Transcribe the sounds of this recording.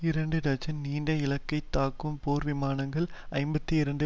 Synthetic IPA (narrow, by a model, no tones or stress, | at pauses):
ɪɾɐɳɖɯɾɐd͡ʒɐniːɳɖɐɪlɐkːɐɪt̪ːaːkːɯmpoːɾʋɪmaːnɐŋɡɐɭɐɪmbɐt̪ːiɪɾɐɳɖɯ